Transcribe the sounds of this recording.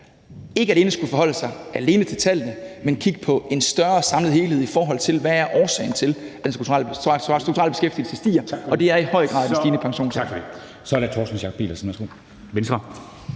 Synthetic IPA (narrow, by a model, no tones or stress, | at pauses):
e̝ɡ̥əæle̝ːnəsɡ̥ufɒ̽ɦɒ̽l̰əsɑ̈ɪʔæle̝ːnət͡sʰe̝lt͡sʰælənəmenkʰiɡ̥ə̥pʰɒ̽ʔe̝nsd̥ɶɐsɑ̈mləð̩ˠhe̝ːlheð̞̰ˠifɒːɦɒ̽l̰t͡sʰe̝lʋææɐʔɒːsɛ̰ɪnt͡sʰe̝læd̥ensuɡʰt͡sʰuʁɑ̰lsd̥ʁuɡ̚t͡sʰʁɑ̰lb̥e̝sɡ̥efd̥il̩səsd̥ḭːɐɒ̽d̥e̝æɐihɒ̽ɪ̰əɡ̥ʁɑ̈ːð̥ˠensd̥iːnəpʰɑ̈ŋɕo̝̰ːnsʰɑfe | sɒæɐɾæt͡sʰɔ̰ːsn̩ɕjɑ̈kʰɒ̥b̥ḭːlɐsnʋæɐsɡ̥o̰ː | ʋensd̥ʁɐ